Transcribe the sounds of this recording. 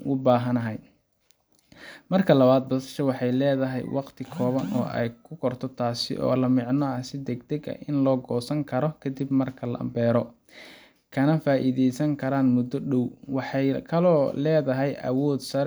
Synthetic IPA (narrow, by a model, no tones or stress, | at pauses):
ʊ̰baːɦɐnɐɦɛj | mɐrkʰɐlɐβaːd̪̚bɔsɐ̥ʃɐwɑħɑjlɛːðɐɦɛ̰jwɑqt̪ʰɪkʰɔːβɐnʔɔ̰ːʔɛ̰jkʰʊkʰɔrt̪ʰɔt̪ʰaːsɪ̰ʔɔ̰ːlɐmɪʕnɐɐsɪd̪ɛɡd̪ɛɡɐ̰ɪnlɔːɡɔːsɐŋkʰɐɾɔkʰɐd̪ibmɐrkʰɐlɐ̰ʔɐ̰mbɛːɾɔ | kʰɐnɐfaːʔiðɛjsɐŋkʰɐɾaːnmʊd̪ɔɖɔwwɑħɑjkʰɐlɔːlɛːðɐɦɛjʔɐ̰wɔːd̪sɐɾ